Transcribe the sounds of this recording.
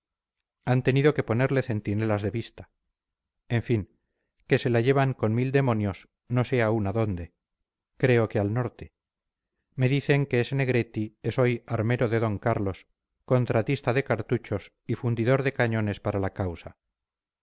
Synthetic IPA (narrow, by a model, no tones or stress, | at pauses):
ant̪e̞niðo̞ke̞po̞ne̞ɾle̞θe̞nt̪ine̞lazðeβist̪ḁ | e̞ɱfiŋ | ke̞se̞laʝe̞β̞aŋko̞nmild̪e̞mo̞njo̞s | no̞se̞aunaðo̞nd̪e̞ | kɾe̞okealno̞ɾt̪e̞ | me̞ðiθe̞ŋke̞esene̞ɣ̞ɾe̞t̪ieso̞jaɾme̞ɾoðe̞ðo̞ŋkaɾlo̞s | ko̞nt̪ɾat̪ist̪aðe̞kaɾt̪ut͡ʃo̞s | ifund̪iðo̞ɾðe̞kaɲo̞ne̞spaɾalakawsa